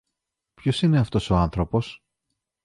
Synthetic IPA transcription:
pçosine̞ɐft̪o̞so̞ɐnθɾo̞po̞s

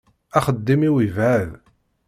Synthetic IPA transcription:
æχəd̪ːimiwivʕəð

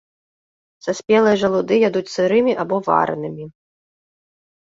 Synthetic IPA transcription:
sasʲpʲɛlˠɨjɐʐɐlˠud̪ɨjad̪ut͡sʲsɨɾɨmʲiʔabɔva̰ɾɨ̰nɨmʲi

